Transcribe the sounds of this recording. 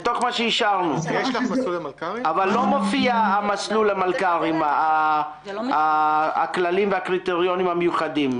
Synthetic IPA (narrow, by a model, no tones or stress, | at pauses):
et̪o̞χmaʃeiʃaʁnueʃlaslulmalkaavalːo̞mofiaamaslulamalkaʁima | aaklalimveakʁit̪eʁjo̞nimhamejuχadim